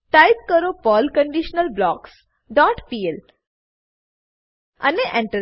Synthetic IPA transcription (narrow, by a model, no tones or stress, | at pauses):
ʈajp̚kəɾopəlkəɳɖiɕnəlblɔks | ɖɔʈpiel | a̰neʔẽɳʈə